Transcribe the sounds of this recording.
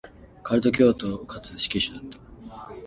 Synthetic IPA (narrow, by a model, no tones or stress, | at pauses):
kʰaɾɯ̟t̪o̞k̬ʲo̞ːt̪okʰat͡sɨ̥ɕi̥kʲiɕɨd̪at̪ːḁ